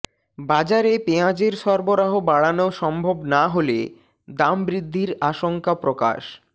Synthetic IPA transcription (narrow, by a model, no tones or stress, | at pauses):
bad͡ʑaɾepeãd͡ʑeɾʃɔɾboɾaɦobaɽanoʃɔmbʱobnaɦolḛ | d̪ambɾid̪ʱːiɾaʃoŋkapɾoka̰ʃ